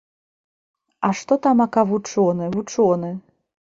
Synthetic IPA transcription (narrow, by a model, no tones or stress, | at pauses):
ɐʂt̪ɔt̪amɐkavut͡ʂɔnɨvut͡ʂɔnɨ